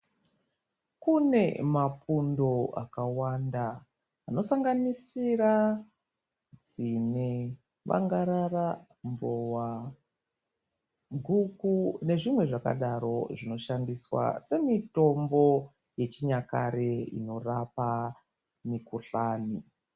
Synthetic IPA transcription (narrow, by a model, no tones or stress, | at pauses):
kune̞mapundo̞a̰kawandaː | no̞saŋɡanisira | d͡zine | ʋa̰ŋɡaɾara | mbowa | ɡʱukune̞ʐimwe̞ʐaka̰ɗaɾo̞̰ʐino̞ʃandiswa̰se̞mito̞mbo̞ | je̞t͡ʃiɲakaɾeḭno̞rapa | mikuɬaːni